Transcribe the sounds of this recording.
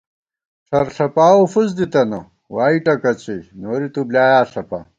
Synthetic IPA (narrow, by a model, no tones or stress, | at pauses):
ʂɐɾɬɐpaːofus̬d̪it̪ɐno | waːiʈɐkɐt͡ɕinoːɾit̪ublaːjaːɬɐpa̰